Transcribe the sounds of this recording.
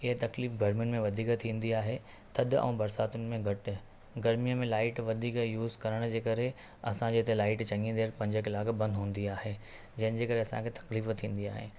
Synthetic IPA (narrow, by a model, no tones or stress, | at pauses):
ɪɦət̪ɐkliːfɡʱɐɾmijʊnɪ̆mẽʋɐd̪ʱiːkt̪ʰĩːn̆d̪iaːɦe | t̪ʰɐd̪ʊɛ̰̃ːbɐɾsaːt̪ʊnɪ̆mẽɡʱɐʈɪ̆ | ɡɐɾmijəmẽlaːɪʈʋɐd̪ʱiːkjuːzkɐɾəɽ̃d͡ʑeːkɐɾe | ɐsãd͡ʑeːt̪elaːɪʈt͡ɕɐ̃ŋĩd̪eːɾpɐ̃ɲd͡ʑəkɪlaːkbɐ̃nd̪ɦũːn̆d̪iaːɦeː | d͡ʑɐ̃ɦɪnɪ̆d͡ʑeːkɐɾeɐsãkʰeːt̪ɐ̥kliːft̪ʰĩːn̆d̪iaːɦḛː